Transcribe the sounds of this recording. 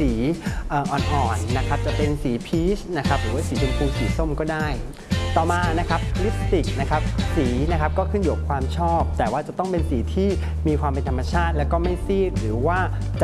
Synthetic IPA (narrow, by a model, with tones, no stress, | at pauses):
iː˩˦ʔaː˨˩ʔɔː˧nʔɔː˨˧˩nːa˦˥kʰa˦˥p̚t͡ɕa˨˩pe˧nsiː˩˦pʰiː˦˥t͡ɕna˦˥kʰa˦˥p̚ɾɯː˩˦waː˥˩siː˩˦t͡ɕo˧npʰuː˧siː˨˩˦so˥˩mkɔː˥˩daː˥˩j | t̪ɔː˨˩maː˧na˦˥kʰa˦˥p̚kʰli˦˥p̚t̪i˨˩k̚na˦˥kʰa˦˥p̚siː˩˦na˦˥kʰa˦˥p̚kɔː˥˩kʰɯ˥˩nju˨˩p̚kʰwaː˧mt͡ɕʰɔː˥˩p̚t̪ɛː˨˩waː˥˩t͡ɕa˨˩t̪ɔ˥˩ŋpe˧nsiː˩˦t̪ʰiː˥˩ | miː˧kʰwaː˧mpe˧nt̪ʰa˧mːa˧t͡ɕʰaː˥˩t̪̚lɛː˦˥wkɔː˥˩ma˥˩jsiː˥˩t̪̚ɾɯː˩˦waː˥˩ | t͡ɕa˨